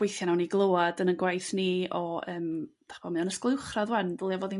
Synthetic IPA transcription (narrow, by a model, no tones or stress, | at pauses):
wejθjanawniɡlˠoːadənənɡwajθniɔəːmd̥ḁχəb̥ɔmɨɔnəsklˠɪwχraðwɛnvəlˠjavɔːði